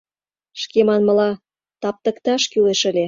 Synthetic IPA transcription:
ʃkemɑnmə̆lɑ | t̪ɑp̚t̪ə̆kt̪ɑʃkyleʃə̆lʲe

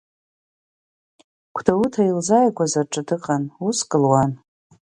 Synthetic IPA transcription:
kʷʰdautʰailzajɡʷazaʈ͡ʂʼɨdɨqʼanuskʼɨlwan

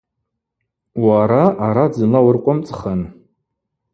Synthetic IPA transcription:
waɾaʔaɾad͡zɨlawʊrqʷʼʊmt͡sʼχən

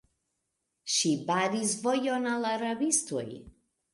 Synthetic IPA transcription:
ʃibaɾizvɔjɔnalaɾabist̪ʰuj

